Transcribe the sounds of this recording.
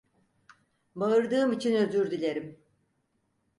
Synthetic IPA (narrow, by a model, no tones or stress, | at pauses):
baɯɾd̪ɯːmit͡ʃʰinøzyɾd̪ilʲe̞ɾim